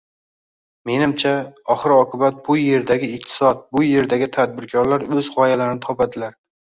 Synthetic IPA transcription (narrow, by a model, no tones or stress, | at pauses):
me̞nɪmt͡ʃʰaɒχɨɾɒqʰɨbat̪̚bʊje̞ɾd̪aɡʲɪɪq̚t̪ʰɪ̥sɒt̪̚bʊje̞ɾd̪aɡʲɪt̪ʰad̪̚bɪɾkʰɒɾlaɾɵzʁɒjalaɾɪnɪt̪ʰɒpad̪ɪlaɾ